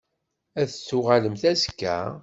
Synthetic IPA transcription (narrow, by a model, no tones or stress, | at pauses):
æθət͡sːʊʁaləmθæzkːæ̰